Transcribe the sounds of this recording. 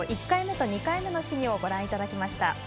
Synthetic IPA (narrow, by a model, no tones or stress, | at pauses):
ʔikːaime̞t̪o̞ɲ̟ikaime̞no̞ɕiɲ̟ʲio̞ɡo̞ɾãɰ̃it̪ad̪akʲimaɕi̥t̪a